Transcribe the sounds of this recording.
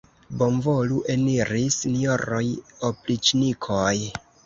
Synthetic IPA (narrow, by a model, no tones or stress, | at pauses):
bo̞mvoluʔeniɾisinijoɾojoplit͡ʃnikʰoj